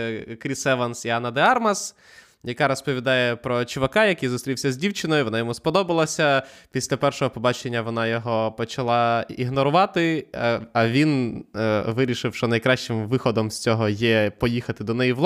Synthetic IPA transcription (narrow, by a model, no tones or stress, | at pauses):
kɾʲisɛʋɐnsiɑnːɐd̪eɑrmɐs | jɐkɑɾɔspɔʋʲid̪ɑjɛpɾɔt͡ʃʊʋɐkɑjɐkɪjzʊst̪ɾʲiwsʲɐzʲdʲiwt͡ʃɪnɔjʊʋɔnɑjɔmuspɔd̪ɔbɐlˠɐsʲɐpʲisʲlʲɐpɛrʃɔɦɔpɔbɑt͡ʃenʲːɐʋɔnɑjɔɦɔpɔt͡ʃɐlˠɑiɦnɔɾʊʋɑt̪ɪ | ɐʋʲin | ʋɪɾʲiʃɪwʃt͡ʃɔnɐjkɾɑʃt͡ʃɪmʋɪxɔd̪ɔmsʲt͡sʲɔɦɔjɛpɔjixɐt̪ɪd̪ɔnɛjiʋlˠ